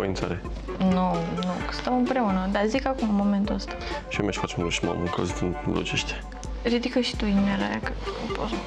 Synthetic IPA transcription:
oint̪saɾe | nunuksɨt̪əmɨmpɾe̞unəd̪azikakumɨnmːo̞ment̪uəst̪ḁʃiomeʃfat͡ʃmloʃmo̰muŋkəzt̪ɨnnlṵt͡ʃeʃt̪e̥ | ɾid̪ikəʃi̥t̪uinmeɾa̰jakəopoz

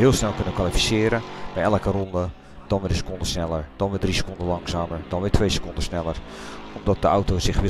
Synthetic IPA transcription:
ɦɪəlˠsnɛlˠkønəkʋalifi̥sɪːɾəbɛjɛləkərɔndə | d̥ɔnʋɪdəsə̥kondəsnɛlˠəɹd̥ɔnʋɪdrisə̥kondəlɑŋsaːməɹd̥ɔnʋɪtʰʋeːsə̥kondəsnɛlˠərɔmdɔt̚dəawtosɪxʋɪ

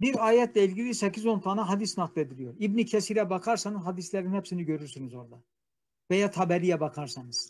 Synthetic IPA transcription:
biɾaːjɛt̪ʰlʲɛilʲɟilʲisecʰizo̞nt̪ʰanaɦad̪isnaklˠe̞d̪ilʲijo̞ɾibnicʰɛsiɾɛbakʰaɾsanɯzɦhad̪islʲæɾinhɛpsiniɟø̞ɾyɾsynyzo̞ɾd̪a | vejaːt̪ʰabɛɾijɛbakʰaɾsɑnɯz̥

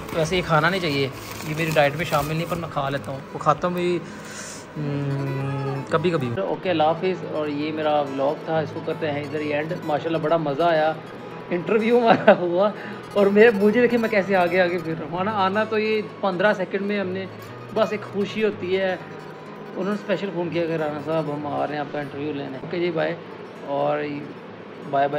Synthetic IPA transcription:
t̪oʋɛːs̬ejekʰaːnaːnə̃ĩt͡ʃaːɦie | jeːmeːɾiɖaːɪʈmẽʃaːmɪlnəɐĩpɐɾmɛ̃kʰaːleːt̪aɦũːʋoːkʰaːt̪aũbi | kɐbʱikɐbʱĩɔ̰ːkelaːfisɔːɾjemeːɾaʋlɔːk̚t̪ʰaɪskokɐɦt̪eɦɛ̃ɪd̪əɾiɛ̃ɳɖmaːʃaːlːabɐɽamɐzaːjaː | ɪ̃ɳʈəɾʋjuːɦmaːɾaɦʊa | ɔːɾmeːɾmʊd͡ʒʱed̪eːkʰiemɛ̃kɛːseaːɡɐjaːɡepʰɪɾmaːnaaːnat̪ojepɐ̃nd̪ɾasɛːkə̃ɳɖmẽɦɐmnẽ | bɐseːkxʊʃiɦoːt̪iɦɛ | ʊ̰nɦoːnespɛːʃəlfoːnkijakɐɾaːnasaːbɦɐmaːɾɐɦẽaːp̚kaɪ̃ɳʈəɾʋjulḛːneked͡ʒiːbʱaːi | ɔːɾ | bʱaːibʱa

